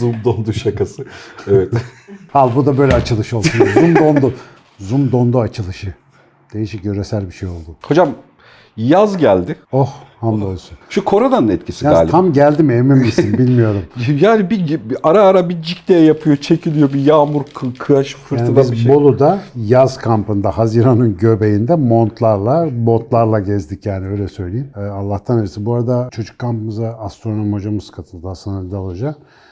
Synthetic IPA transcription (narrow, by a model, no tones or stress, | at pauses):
zumd̪ond̪uʃakʰasɯɛvɛt̪halˠbud̪abø̞jlʲɛat͡ʃʰɯlˠɯʃɯo̞lsunozumd̪o̞nd̪u | zumd̪o̞nd̪uat͡ʃʰɯlˠɯʃɯ | d̪̥e̞jiʃicjøɾesælʲbiʃejo̞lˠd̪uho̞d͡ʒam | jazɟælʲd̪ɪohhamd̪olˠsunʃukʰo̞ɾad̪anɯnɛt̪cʰi̥sia̰ːlʲʰamɟælʲd̪imemimːisinbilʲmijo̞ɾumjaːnibiaɾaːɾabid͡ʒiklʲejɛjapʰɯjo̞t͡ʃʰecʰilʲijo̞bijaːmuɾkʰkʰɯjaʃɯ̥fɯɾtaːnb̪izbo̞lˠud̪ajazkʰampɯnd̪ahaziɾanɯnɟø̞bejind̪ɛmo̞nt̪lˠaɾlˠabo̞nt̪lˠaɾlˠaɟɛzd̪icjaːniø̞jlʲɛsø̞jlʲejimːalˠːaht̪ʰaneɾɛsibuaɾad̪at͡ʃʰo̞d͡ʒu̥kʰːampɯmɯzaast̪ɾono̞mho̞d͡ʒamɯzkʰat̪ʰɯlˠd̪asɯnaɾd̪aalˠad͡ʒak